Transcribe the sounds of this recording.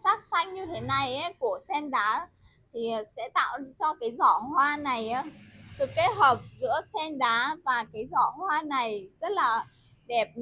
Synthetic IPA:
saː˦˥t̚sa˧jŋ̟ɲɨ˧t̪ʰe˨˦na˧jʔɛ˨˦ku˧˩əsɛ˧nɗaː˨˦ | t̪ʰi˨˩˨sɛ̰˧˥t̪a̰ː˧˨wt͡ɕɔ˧kaː˨˦jzɔ˧˩hwaː˧na˨˩jʔaː˨˦sɨ˨˩kːe˦˥t̚həː˨˩p̚zɨ̰˧˥əsɛ˧nɗaː˨˦vaː˨˩kaː˨˦jzɔ˧˩hwaː˧na˨˩jzə˦˥t̚laː˨˩ | ɗɛ˨˩p̚

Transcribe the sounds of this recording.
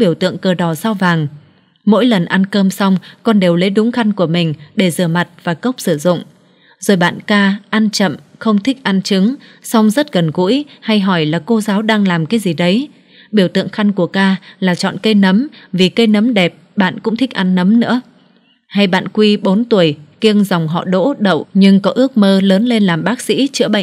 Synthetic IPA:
ɓi˧˩əwt̪ɨ̰˧˨əŋkəː˨˩ɗɔ˧˩saː˧wvaː˨˩ŋ | mo̰˧˥jlə˨˩nʔa˧nkəː˧msa˧wŋ͡mkɔ˨˩nɗe˨˩wle˨˦ɗʊ˨˦ŋ͡mxa˧jŋ̟ku˧˩əmï˨˩ŋ̟ɗe˧˩zɨ̰˧˩əma˨˩t̚vaː˨˩kə˦˥wk͡p̚sɨ˧˩zʊ̰˧˨ŋ͡m | zo˨˩jɓa̰ː˧˨nkaː˧ʔa˧nt͡ɕə̰˧˨mxə˧wŋ͡mt̪ʰï˦˥k̚ʔa˧nt͡ɕɨ˨˦ŋsa˧wŋ͡mzə˦˥t̚ɣə˨˩nɣṵ˧˥jha˧jɦɔ˧˩jlaː˨˩ko˧zaː˨˦wɗaː˧ŋlaː˨˩mkaː˨˦jzi˨˩ɗə˨˦j | ɓi˧˩əwt̪ɨ̰˧˨əŋxa˧jŋ̟ku˧˩əkaː˧laː˨˩t͡ɕɔ̰˧˨nkə˧jnə˨˦mvi˨˩kə˧jnə˨˦mɗɛ˨˩p̚ɓa̰ː˧˨nkʊ̰˧˥ŋ͡mt̪ʰi˦˥k̚ʔa˧nːə˨˦mnɨ̰˧˥ə | ha˧jɓa̰ː˧˨nkwi˧ɓo˨˦nt̪u˧˩əjki˧əŋza˨˩wŋ͡mɦɔ̰˧˨ɗo̰˧˥ɗə̰˧˨wɲɨ˧ŋkɔ˨˦ʔɨ˦˥ək̚məː˧ləː˨˦nle˧nlaː˨˩mɓaː˦˥k̚sḭ˧˥t͡ɕɨ̰˧˥ɓə̰˧˨ŋ

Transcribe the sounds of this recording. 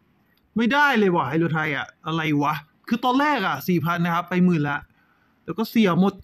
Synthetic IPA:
ma˥˩jdaː˥˩jlɤː˧jwaː˧˩ɦa˥˩jlu˧˩t̪ʰa˧jʔa˨˩ʔa˧ɾa˧jwa˦˥ | kʰɯː˧t̪ɔː˧nlɛː˥˩k̚ʔa˨˩siː˨˩pʰa˧nːa˦˥kʰa˦˥pːa˧jmɯː˨˩nlɛ˦˥ʔ | lɛː˦˥kɔː˥˩si˨˩˦əmo˨˩t̪̚

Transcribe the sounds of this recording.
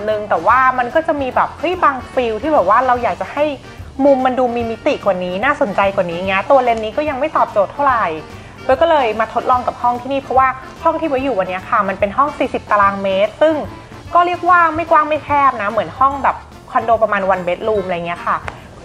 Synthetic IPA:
nɯ˧ŋt̪ɛː˨˩waː˥˩ma˧nkɔː˥˩t͡ɕa˨˩miː˧bɛː˨˩p̚hɤ˦˥jbaː˧ŋfi˧wt̪ʰiː˥˩bɛː˨˩p̚waː˥˩ɾa˧wjaː˨˩k̚t͡ɕa˨˩ha˥˩j | mu˧mːa˧nduː˧miː˧mi˦˥t̪i˨kwa˨˩niː˦˥naː˥˩so˨˩˦nt͡ɕa˧jkwa˨˩niː˦ja˨˩ŋːi˦ɐ˧t̪u˧ɐle˧nːiː˦˥kɔː˥˩ja˧ŋma˥˩jt̪ɔː˨˩p̚t͡ɕoː˨˩t̪ʰːa˥˩wɾa˨˩j | bʰɔ˧˥˩kɔː˥˩lɤː˧jmaː˧t̪ʰo˦˥lɔː˧ŋka˨˩p̚hɔ˥˩ŋt̪ʰiː˥˩niː˥˩pʰɾɔ˦˥waː˥˩ | hɔ˥˩ŋt̪ʰiː˥˩bɛ˦juː˨˩wa˧nːi˦˥ɐkʰa˥˩ma˧npe˧nɦɔ˥˩ŋsiː˨˩si˨˩p̚t̪a˧laː˧ŋmeː˦˥t̪̚sɯ˥˩ŋ | kɔː˥˩ɾi˥˩ək̚waː˥˩ma˥˩jkwaː˥˩ŋma˥˩jk̪ʰɛː˥˩p̚na˦˥mɯ˩˦ənhɔ˥˩ŋbɛː˨˩p̚ | kʰɔ˧ndoː˧pɾa˧maː˧nwa˧nbe˦˥t̪̚luː˧mʔla˧ja˨˩ŋːi˦ɐ˧kʰa˥˩

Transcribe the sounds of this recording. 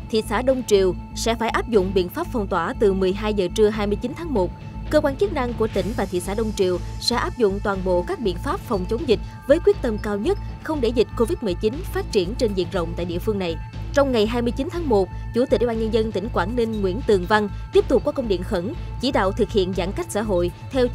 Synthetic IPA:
t̪ʰḭ˧˨saː˧˩ɗə˧wŋ͡mt͡ɕḭ˧˨əwsɛ̰˧˥faː˧˩jʔaː˦˥p̚zʊ̰˧˨ŋ͡mɓḭ˧˨ənfaː˦˥p̚fɔ˨˩wŋ͡mt̪waː˧˩t̪ɨ˨˩mɨ˨˩əjɦaː˧jzəː˨˩t͡ɕɨ˧əɦaː˧jmɨ˧əjt͡ɕi˨˦nt̪ʰaː˨˦ŋmo˨˩t̚ | kəː˧kwaː˧nt͡ɕə˦˥k̚na˧ŋku˧˩ət̪ï˧˩ŋ̟vaː˨˩t̪ʰḭ˧˨saː˧˩ɗə˧wŋ͡mt͡ɕḭ˧˨əwsɛ̰˧˥ʔaː˦˥p̚zʊ̰˧˨ŋ͡mt̪waː˨˩nɓo̰˧˨kaː˦˥k̚ɓḭ˧˨ənfaː˦˥p̚fɔ˨˩wŋ͡mt͡ɕə˨˦ŋ͡mzï˨˩k̟̚ | vəː˨˦jkwi˦˥ət̚t̪ə˧mkaː˧wɲə˦˥t̚xə˧wŋ͡mɗe˧˩zi˨˩k̟̚ko˧vi˦˥t̚mɨ˨˩jt͡ɕi˨˦nfaː˦˥t̚t͡ɕi˧˩ənt͡ɕe˧nzḭ˧˨ən̚zə̰˧˨ŋ͡mt̪a̰ː˧˨jɗḭ˧˨əfɨ˧əŋna˨˩jt͡ɕɔ˧wŋ͡mŋa˨˩jɦaː˧jmɨ˧əjt͡ɕi˨˦nt̪ʰaː˨˦ŋmo˨˩t̚ | t͡ɕu˧˩t̪i˨˩ɗɓaː˧ɲə˧nzə˧nt̪ï˧˩ŋ̟kwaː˧˩nːi˧ŋŋwḭ˧˥ənt̪ɨ˨˩əŋva˧ŋt̪i˦˥p̚t̪ʊ˨˩k͡pkːɔ˨˦kə˧wŋ͡mɗḭ˧˨ənxə˧˩nt͡ɕi˧˩ɗa̰ː˧˨wt̪ʰɨ˨˩k̚hḭ˧˨ənza̰˧˥nka˦˥k̚sa̰ː˧˥ɦo̰˧˨jt̪ʰɛ˧w

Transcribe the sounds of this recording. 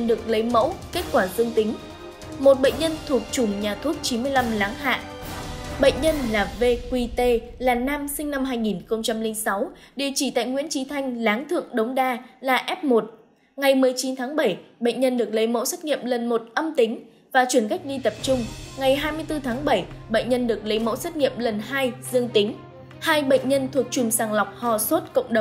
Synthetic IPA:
nɗɨ˨˩ək̚lə˨˦jmə̰˧˥wke˦˥t̚kwaː˧˩zɨ˧əŋt̪ï˨˦ŋ̟ | mo˨˩t̚ɓə̰˧˨ŋ̟ɲə˧nt̪ʰu˨˩ək̚t͡ɕʊ˧˩ŋ͡mɲaː˨˩t̪ʰu˦˥t̚t͡ɕi˨˦nmɨ˧əjla˧mlaː˨˦ŋɦa̰ː˧˨ʔ | ɓə̰˧˨jŋ̟ɲə˧nlaː˨˩ve˧kwi˧t̪e˧laː˨˩naː˧msï˧ŋ̟na˧mɦaː˧jŋi˨˩nxə˧wŋ͡mt͡ɕa˧mlï˧ŋsa˨˦w | ɗi˨˩ət͡ɕi˧˩t̪a̰ː˧˨jŋwi˧˥ənt͡ɕi˨˦t̪ʰa˧jŋ̟laː˨˦ŋt̪ʰɨ̰˧˨əŋɗə˨˦wŋ͡mɗaː˧laː˨˩ʔɛ˦˥p̚mo˨˩t̚ | ŋa˨˩jmɨ˨˩əjt͡ɕi˨˦nt̪ʰaː˨˦ŋɓə˧˩jɓə̰˧˨jŋ̟ɲə˧nɗɨ˨˩ək̚lə˨˦jmo̰˧˥swə˦˥t̚ŋḭ˧˨əmlə˨˩nmo˨˩t̚ʔə˧mt̪ï˨˦ŋ̟ | vaː˨˩t͡ɕwi˧˩ənka˦˥jk̚ɗi˧t̪ə˨˩p̚t͡ɕʊ˧ŋ͡mŋa˨˩jɦaː˧jmɨ˧əjt̪ɨ˧t̪ʰaː˨˦ŋɓə˧˩jɓə̰˧˨ŋ̟ɲə˧nɗɨ˨˩ək̚lə˨˦jmo̰˧˥swə˦˥t̚ŋḭ˧˨əmlə˨˩nhaː˧jzɨ˧əŋt̪ï˨˦ŋ̟ | haː˧jɓə̰˧˨ŋ̟ɲə˧nt̪ʰu˨˩ək̚t͡ɕʊ˨˩ŋ͡msaː˨˩ŋla˨˩wk͡p̚hɔ˨˩swə˦˥t̚kə̰˧˨wŋ͡mɗə˨˩ŋ͡m

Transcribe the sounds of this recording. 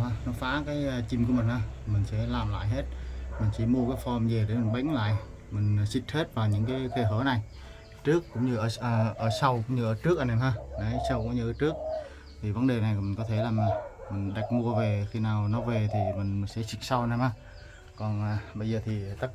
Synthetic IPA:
aː˧nɔ˨˦faː˧˨˥kaː˨˦jt͡ɕi˧˩mku˧˩˦mï˨˩ŋʔaː˧˩˨mï˨˩ŋ̟sɛ̰˧˥laː˨˩mla̰ː˧˨jɦe˦˥t̚mï˨˩ŋ̟t͡ɕi˨˧˦mu˧əkaː˨˦jfɔ˧mze˨˩ɗe˨˦mi˨˩ŋɓa̰˧˥jŋ̟la̰ː˧˨j | mï˨˩ŋ̟˨˩si˨˩k̚he˦˥t̚vaː˨˩wɲɨ̰˧˥ŋkaː˨˦jt̪ʰe˧˩ɦəː˧˨˦na˨˩j | t͡ɕɨ˦˥əkːʊ̰˧˥ŋ͡mɲɨ˧ʔəː˧˩ʔəː˧˩ʔəː˧˩sa˧wkʊ̰˧˥ŋ͡mɲɨ˧ʔəː˧˩t͡ɕɨ˦˥ək̚aː˨˩nɛ˨˩mhaː˧˩na˨˦sa˧wkʊ̰˧˥ŋ͡mɲɨ˧ʔəː˧˩t͡ɕɨ˦˥ək̚ | t̪ʰi˨˩və˨˦nɗe˨˩na˨˩jki̟˨˩kɔ˨˦t̪ʰe˧˦laː˨˩maː˨˩mï˨˩ŋ̟ɗa˨˩jk̚mu˧əve˨˩xi˧naː˨˩wnɔ˨˦ve˨˩t̪ʰi˨˩mï˨˩ŋ̟i̟˨˩sɛ̰˧˥t͡ɕï˨˩k̟̚sa˧wnɛ˨˧˩maː˧˩ | kɔ˨˩naː˨˩ɓə˧jzəː˨˩t̪ʰi˨˩t̪a˦˥k̚

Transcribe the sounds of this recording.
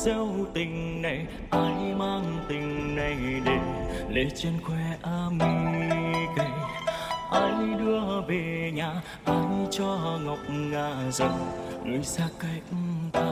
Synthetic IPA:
zə˧˦wt̪ï˨˩ŋ̟na˨˩j | ʔaː˧ji˧maː˧ŋ˧t̪ï˨˩ŋ̟na˨˧jɗe˨˩le˨˦t͡ɕwi˧ənkwɛ˧ʔaː˧mi˧ | kə˧˩j | ʔaː˧jni˧˦ɗɨ˧əve˨˩ɲaː˨˩ | ʔaː˧jni˧t͡ɕɔ˧ɦa˧ŋə˨˩wk͡p̚ŋaː˧˩zə˨˩wŋɨ˨˩saː˧˥kːa˧˩jk̚t̪a˧˦

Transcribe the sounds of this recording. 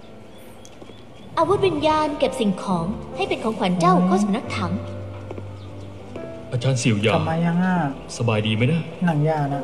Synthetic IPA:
ʔaː˧wu˦˥t̪̚wi˧njaː˧nke˨˩p̚si˨˩ŋkʰɔː˩˦ŋha˥˩jpe˧nkʰɔː˩˦ŋkʰwaː˨˩˦nt͡ɕa˥˩wkʰɔː˥˩sa˨˩˦mna˦˥k̚t̪ʰa˩˦m | ʔaː˧t͡ɕaː˧nsi˨˩˦wja̰ː˨˩˧maː˧ja˧ŋaː˥˩ | sa˧baː˧jdiː˧ma˦˥jnaː˥˩˦na˧˩ŋjaː˧˩na˦˥

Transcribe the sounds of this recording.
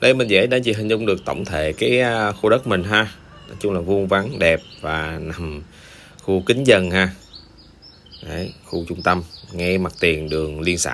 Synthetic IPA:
ɗə˧jmï˨˩ŋ̟zə̰ː˧˥jɗa̰˧˥t͡ɕi˨˩ɦï˨˩ŋ̟zʊ˧wŋ͡mɗɨ˨˩ək̚t̪ə̰˧˨wŋ͡mt̪ʰḛ˧˨kaː˨˦jxu˧ɗə˦˥t̚mï˨˩ŋ̟ɦaː˧˨˦ | t͡ɕʊ˧ŋ͡mlaː˨˩vu˧ənva˨˦ŋɗɛ˨˩p̚vaː˨˩na˨˩m | xu˧kï˨˦ŋ̟zə˧˩nhaː˧ | ʔə˧˩˦jxu˧t͡ɕʊ˧ŋ͡mt̪ə˧mŋɛ˧ma˨˩t̚t̪i˨˩ənɗɨ˨˩əŋli˧ənsa̰ː˧

